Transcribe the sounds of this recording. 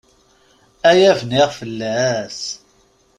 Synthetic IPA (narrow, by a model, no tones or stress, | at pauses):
æjævniʁfəlːæs